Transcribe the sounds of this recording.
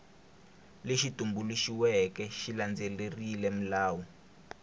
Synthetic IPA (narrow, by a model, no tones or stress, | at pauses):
leʃitumbuluʃiwɛkɛʃiland͡zɛlerilɛm̩laːwɔ